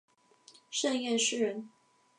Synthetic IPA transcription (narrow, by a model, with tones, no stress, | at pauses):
ʂə˥˧njɛ˥˨nʂɻ̩˥˧ɻə˨˦n